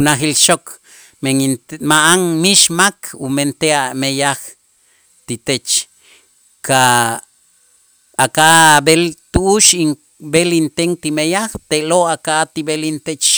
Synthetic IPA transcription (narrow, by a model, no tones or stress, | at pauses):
unaxilʃok | meŋinmaʔaŋmiʃmakʰument̪eamejax | t̪it̪et͡ʃ | ka | akaʔbelt̪uʔːʃiŋ | belint̪eŋt̪imejaxt̪eloakaʔt̪ibelint̪et͡ʃ